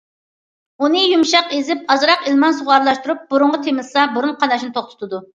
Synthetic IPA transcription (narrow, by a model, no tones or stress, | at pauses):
unɨjumʃɑqezɪp̚ɑzɾɑqɪlmɑnsuʁɑɾlˠɑʃt̪uɾup̚buɾʊɴʁət̪ʰemɪlsɑbuɾunqʰɑnɑʃnɨt̪ʰoχt̪ʰʊ̥t̪ʰud̪u